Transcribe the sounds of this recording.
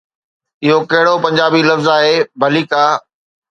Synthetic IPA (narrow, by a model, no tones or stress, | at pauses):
ɪɦokɐɦɪɽopɐ̃ɲd͡ʑaːbilɐfzaːɦeːbʱɐliːkaː